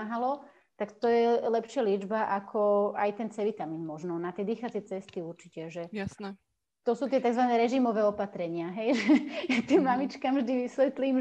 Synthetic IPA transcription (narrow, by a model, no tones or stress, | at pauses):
aɦalɔ | t̪akt̪ɔjɛlɛpʃɪalɪɛd͡ʒbaʔakʰɔajt̪ɛnt͡sɛʋit̪amiːnmɔʒnɔnat̪ɪɛd̪iːxat͡sɛt͡sɛst̪iuɾt͡ʃicɛʒɛjasnɛ | t̪ɔsuːt̪ɪɛt̪aɡzʋanɛːɾɛʒimɔʋɛːɔpat̪ɾɛɲɪaɦɛjʒɛjat̪iːmːamit͡ʃkamʒd̪iʋisʋɛt̪liːm